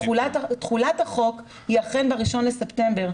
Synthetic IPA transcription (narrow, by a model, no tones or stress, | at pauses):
tχulat̪haχo̞k | jiaχenbeʁiʃo̞nlesepte̞mbeʁ